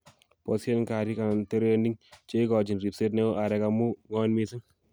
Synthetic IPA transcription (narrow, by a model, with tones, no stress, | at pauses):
pɔ˨se˦nka˨ɾi˦ka˨nte˦ɾe˦ndi˦ŋt͡ʃe˦ɪ˦kɔ˨d͡ʒi˨nri˨pse˦tnɛ˦o˦ʔa˨ɾɛ˨kamu˦ŋɔ˦nmi˧sɪ˦ŋ